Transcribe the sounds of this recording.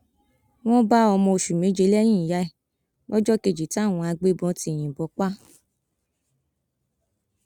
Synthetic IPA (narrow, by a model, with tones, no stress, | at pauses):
w̃ɔ̃˦ba˦ɔ˧mɔ̃˧o˨ʃu˨mĩ˨˦d͡ʒe˧˦lɛ˦j̃ĩ˦˨ja˧˦i˦˨ | wɔ˦d͡ʒɔ˦ke˧d͡ʒi˨ti˦a˦˨w̃ɔ̃˧a˧ɡ͡be˦bɔ̃˧˦ti˧˦˨j̃ĩ˨bɔ˨˦k͡pa˦